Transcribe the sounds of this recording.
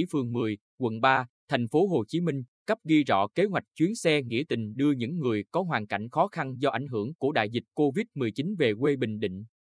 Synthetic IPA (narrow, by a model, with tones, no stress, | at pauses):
i˧˥fɨ˨˩əŋmɨ˨˩əj | kwə̰˧˨nɓaː˧t̪ʰa˨˩jŋ̟fo˨˦ɦo˨˩t͡ɕi˨˦mï˧ŋ̟kə˦˥p̚ɣi˧zɔ̰˧˨ke˨˦ɦwa˨˩jk̟̚t͡ɕwi˨˦ənsɛ˧ŋḭ˧˥t̪ï˨˩ŋ̟ɗɨ˧əɲɨ̰˧˥ŋːɨ˨˩əjkɔ˨˦ɦwaː˨˩nka̰˧˨jŋ̟xɔ˨˦xa˧nzɔ˧ʔa˧˩jŋ̟ɦɨ˧˩əŋku˧˩əɗa̰ː˧˨jzï˨˩k̟̚ko˧vi˦˥t̚mɨ˨˩əjt͡ɕi˨˦nve˨˩kwe˧ɓï˨˩ŋ̟ɗḭ˧˨ŋ̟